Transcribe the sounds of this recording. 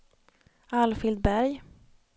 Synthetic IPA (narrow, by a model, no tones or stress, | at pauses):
alfɪld̪̚bæɾj